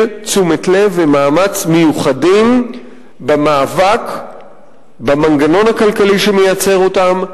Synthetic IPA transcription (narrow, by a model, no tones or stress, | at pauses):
t͡sumetle̞vemaːmat͡smejuχadim | bamaːvak | bamanɡano̞nhakalkaliʃe̞mejat͡se̞ʁo̞tam